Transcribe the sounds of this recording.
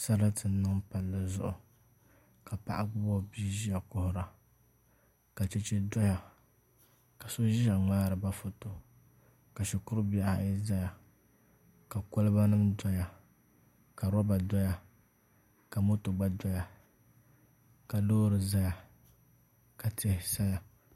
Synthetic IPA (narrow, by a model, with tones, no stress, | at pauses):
sa˦ɾa˦tɨ˨n̩˦nɨ˦ŋpa˨lːɨ˨zʊ̰˦ʔʊ˨ | ka˨pa̰˦˨ʔa˦ɡʊ˦bɔ˦˨biː˦ʒi˦ja˨kʊ˦hʊ˨ɾa˨ | ka˨t͡ʃɛ˨t͡ʃɛ˦dɔ˦ja˨ | ka˨so˦ʒi˦a˨ŋ͡maː˦ɾɨ˨ba˦fʊ˨to˨ | ka˨ʃɛ˨kʊ˦ɾɨ˦bi˦a˨ha˨i˦za˦ja˨ | ka˨ko˦lɨ˦ba˦nɨ˦mdɔ˦ja˨ | ka˨ɾɔ˦ba˨dɔ˦ja˨ | ka˨mʊ˦to˨ɡ͡ba˦dɔ˦ja˨ | ka˨loː˦ɾɨ˨za˦ja˨ | ka˨tʰɪ˦hɪ˦sa˦ja˨